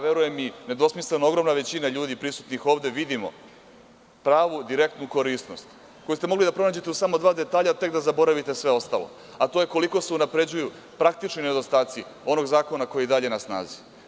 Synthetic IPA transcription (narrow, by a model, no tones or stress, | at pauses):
ʋe̞ɾuje̞mine̞d̪osmislenooɡɾo̞mnaʋe̞t͡ɕinaʎuːd̪ipɾisut̪nixo̞ːʋd̪e̞ʋid̪imo̞̰ | pɾaːʋud̪iɾe̞k̚t̪nuko̞ɾisno̞st̪ | ko̞just̪e̞mo̞ɡlid̪apɾo̞naːd͡ʑe̞t̪eusamo̞d̪ʋaːd̪e̞t̪aːʎat̪e̞kd̪azabo̞ɾaʋit̪e̞sʋe̞o̞st̪alo̞̰ | at̪ojeko̞liko̞se̞unapɾe̞d͡ʑuju | pɾak̚t̪it͡ʃnoned̪o̞st̪aːt̪sio̞no̞ɡzaːko̞nako̞jeid̪aʎe̞nasna̰ːzi